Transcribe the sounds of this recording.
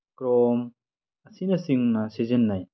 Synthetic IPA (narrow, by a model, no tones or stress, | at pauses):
kɾɔm | ɐsinɐsiŋnasizɯnːaj